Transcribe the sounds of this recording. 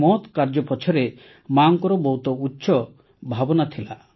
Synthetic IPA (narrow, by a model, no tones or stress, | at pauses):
mɔt̪kaɾd͡ʒɔpɔt͡ʃʰɔɾe | maŋkɔɾɔbɔwt̪ɔutːʃʰɔ | bʱabɔnat̪ʰila